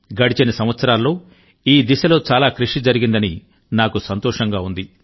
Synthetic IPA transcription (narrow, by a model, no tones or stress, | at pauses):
ɡɐɽit͡ʃinɐsɐmʋɐt̪sɐɾaːlːo̞ː | iːd̪isɐlo̞ːt͡ʃaːlaːkɾuʂid͡ʒɐɾiɡind̪ɐni | naːkusɐnt̪ɔːʂɐŋɡaːund̪i